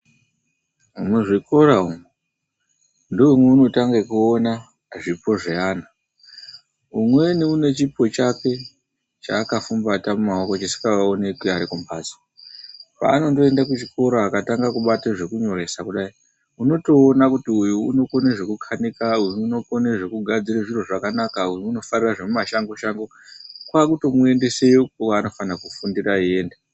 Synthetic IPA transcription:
umweʐiko̞ɾaume | ndoumweuno̞taŋɡekuona | ʐipo̞ʐeaːna | umwe̞niune̞t͡ʃipo̞t͡ʃake̞ | t͡ʃaːkafumbatamumaokot͡ʃisi̥kaaone̞kweaɾikompaːzi̥ | pa̰ːno̞nto̞e̞ndakut͡ʃiko̞ɾoakataŋɡakuɓateʐe̞kuɲo̞ɾe̞sakuɗai | uno̞to̞ːnakutiujuuno̞ko̞neʐe̞kukʰanikaujuːno̞ko̞neʐe̞kuɡʱad͡ziɾeʐiro̞ʐakanakaujuːno̞fariraʐe̞mumaʃaŋɡoʃaŋɡo̞ | kwakuto̞mue̞ndese̞jikokaːno̞fanakufundiraieːnda

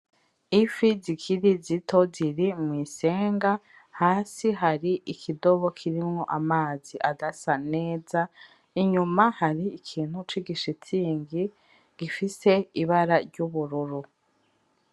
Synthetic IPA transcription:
ifizikʰiɾizitʰo̞ziɾimwiːse̞ːŋɡa | haːsiɦaɾiʔikʰido̞βo̞kʰiɾimŋo̞ʔamaːziʔadasane̞ːza | iɲumahaɾiːkʰiːn̥hut͡ʃwiɡiʃit͡siːŋɡi | ɡ̥ifise̞iβaɾaɾɟuβuɾuɾu

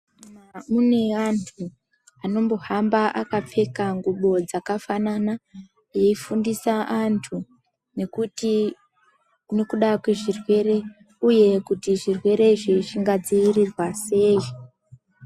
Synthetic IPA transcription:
amune̞antʰu | ano̞mbo̞ɦambaʔakap͡fe̞kaŋɡuɓo̞d͡zakafanana | je̞ifundisaʔantʰu | ne̞kuti | no̞kuɗakwe̞ʐirwe̞ɾe̞ | uje̞kutiʐirwe̞ɾe̞iʐiʐiŋɡad͡ziirirwase̞ːi

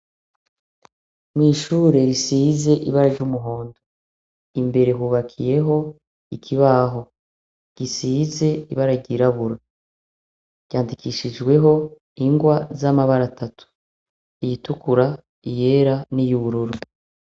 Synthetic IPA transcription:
mŋiːʃuːɾe̞ɾisize̞ʔiβaɾaɾɟuːmuɦo̞ːndo | imbe̞ɾe̞ɦuːβakʰije̞ɦo̞ | ikʰiβaɦo̞ | ɟ̥isiːze̞iβaɾaɟiɾaβuɾa | ɟ̥aːndikiːʃid͡ʒɡwe̞ɦo̞ | iŋɡwazamaβaɾatʰatʰu̥ | ijitukuɾa | ije̞ɾanijuβuɾuɾu

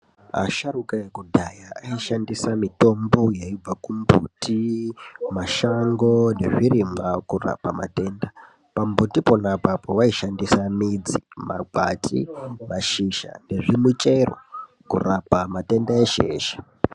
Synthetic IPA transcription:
a̰ʃaɾukaekudʱajaːiʃandisamito̞mbojaib͡vakumbṵti | maʃaŋɡo̞ne̞ʐirimakura̰pama̰te̞ːnda | pambutipo̞napapoʋaiʃandisamid͡zima̰ɡwa̰tḭmaʃiʃa̰ne̞ʐimut͡ʃe̞ro̰ | kṵrapamate̞ndaeʃe̞̰ːʃḁ

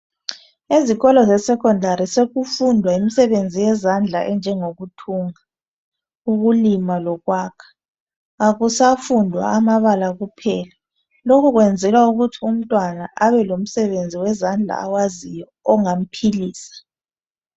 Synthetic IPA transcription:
eziɣɔlɔzɛsɛkʰʼɔndʱaɾiseɣufundʱwaimisɛβend͡zʱijɛzand͡ɮʱaʔɛnd͡ʒʱɛŋoɣutʰuːŋa | uɣulimalɔɣwaːkʰḁː | ɣusafundʱwa̰amaβalaɣupʰɛːla | lokʰuɣwɛnd͡zʱɛlwauɣutʰium̩tʼwanaʔaβɛlom̩sɛβend͡zʱiwɛzand͡ɮʱa̰ːwazijɔːŋam̩pʰiliːsḁ

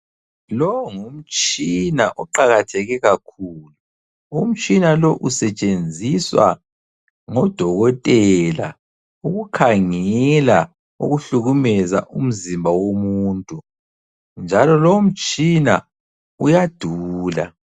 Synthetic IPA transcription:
lɔwŋum̩t͡ʃʼinaʔɔǃaɣatʰɛɣɛɣakʰuːlu | um̩t͡ʃʼinalɔʔusɛt͡ʃʼend͡zʱiswa̰ | ŋɔd̥ʱɔɣɔtʼɛla | uɣukʰaŋɛla | ṵɣuɬuɣumɛza̰ʔum̩zimbʱawomuːntʼu | nd͡ʒʱalɔlɔum̩t͡ʃʼina̰ | ujad̥ʱuːla̰

